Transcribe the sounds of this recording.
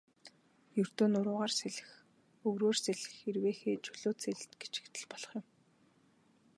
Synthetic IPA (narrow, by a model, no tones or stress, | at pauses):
jɵr̥t̪oːnʊɾʊːʁaːrseɮɘ̆x | ɵwɾoːrseɮɘ̥̆xerweːxeːt͡ɕʰʊɮoːseɮ̆t̪ɡet͡ɕɪ̥̆kt̪ɘ̆ɮpɔɮɞ̥̆χjɪ̆m